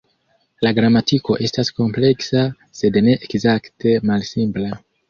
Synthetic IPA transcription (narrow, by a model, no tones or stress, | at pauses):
laɡɾamatiko̞ʔe̞stasko̞mple̞ksa | se̞dne̞ʔekzakte̞malsimpla